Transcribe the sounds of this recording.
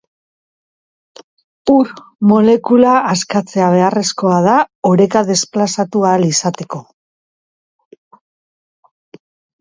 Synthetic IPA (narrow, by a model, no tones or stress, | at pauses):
uɾmo̞le̞kulaːskat͡se̞aβ̞e̞are̞sko̞að̞aoɾe̞kaðe̞splasat̪ualisat̪e̞ko̞